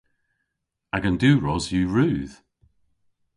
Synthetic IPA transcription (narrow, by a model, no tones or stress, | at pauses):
aɡəndʉːɹɔzjʉːɹʉːð̥